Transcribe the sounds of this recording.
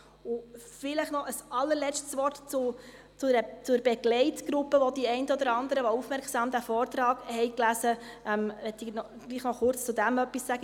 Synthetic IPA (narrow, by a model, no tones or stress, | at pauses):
ʊfɪləχnɔʔəsɑlːəɾlɛt͡ʃtsʋɔrtt͡su | t͡suɾət͡sʊɾb̥ɛɡlɛɪtɡ̥ɾupːəʋɔd̪iɛɪntəɔd̪əɾɑnd̪əɾəʋɔufmɛɾksɑːmd̪æfɔːɾt̪ɾɑːɡhɛɪklæzəʔɛmʋɛt̪ːinɔ | ɡ̥liːχnɔχʊrt͡st͡sud̪æmœpːisːæɡ̥ə